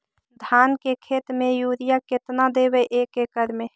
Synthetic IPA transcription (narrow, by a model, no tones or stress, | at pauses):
d̪ʱankekʰet̪mejuɾijaket̪nad̪ebɛʔekekəɾme